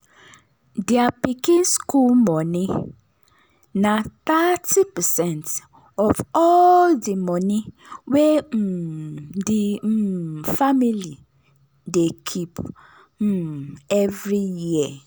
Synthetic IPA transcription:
diapikĩnskulmɔni | nat̪atipɛsɛ̃nt | ɔvɔldimɔni | wem̩di | famili | dekʰip̩ | ɛvɾijiə

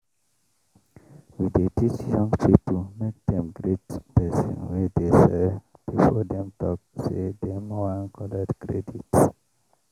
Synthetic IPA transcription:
widetit͡ʃjɔ̃ŋɡpiptumek̚d̪ɛ̃mɡɾetpɛsɔ̰̃nwidesɛ | b̥ifɔdɛ̃mtʰɔk̚sedɛmɔãnkʰɔlədkɹɛdits

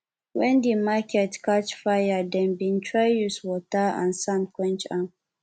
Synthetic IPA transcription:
wɛ̃ndimakʰɛtkat͡ʃfajadɛ̃nbĩntʰɹajjuswɔtaã̰nsãnkwɛ̃nt͡ʃãn

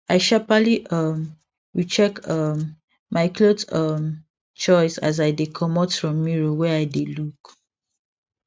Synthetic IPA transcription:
aɪʃapaliʔʌm | ɹit͡ʃɛkʌmː | aɪkʰlotʌm | t͡ʃɔɪsa̰z̬aɪdekʰɔmɔtfɹɔ̃mːiɹowɛaɪdeluk

